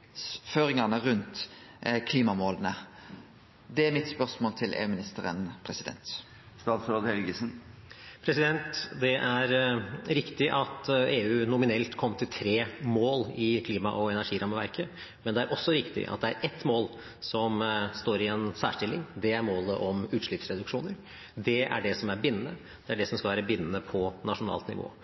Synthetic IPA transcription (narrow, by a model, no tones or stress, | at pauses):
føːɾɪŋɑnəʁʉnt̪kʰliːmɑmoːlənə | d̪ɛæɾmɪt̪spœʁsmoːlt̪ʰɪlʔḛːʉːmɪnɪst̪əɾə̰npʰɾɛsɪd̪ɛ̰nt̪ | st̪ɑːt̪sɾoːd̪hɛlɡəsn̩pʰɾɛsɪd̪ɛnt̪d̪ɛʔæɾɾɪkt̪ɪʔɑt̪eːʉːnʊmɪnɛlt̪kʰɔmːt̪ʰɪlt̪ʰɾeːmoːlɪkʰliːmɑʔɔɛnæʂiːɾʔɑməʋæ̰ɾkə | mɛnd̪ɛæɾʔɔsːɔɾɪkt̪ɪ̰ʔɑ̰t̪̚d̪ɛæɾɛt̪ːmoːl | sɔmst̪oːɾɪɛnsæ̰ːʂʈɪlɪ̰ŋd̪ɛæɾmoːləʔɔmʉːt̪ʂɭɪpsɾɛd̪ʉkʂuːnəɾ | d̪ɛʔæ̰ɖɛsɔmæɾbɪnːənə | d̪̥ɛæɖɛsɔmskɑʋæːɾəbɪnːənəpʰɔnɑʂʊnɑ̰ːlt̪nɪ̰ʋo̰ː